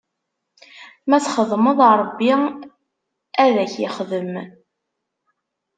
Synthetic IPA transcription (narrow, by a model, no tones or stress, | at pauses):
mæt͡sχəðˤməðˤɾˤəbːi | æðæçɪ̰χðəm